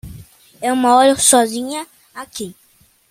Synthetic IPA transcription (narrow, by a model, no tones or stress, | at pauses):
eũmɐɔɾɐsɔzĩɲɐ | aki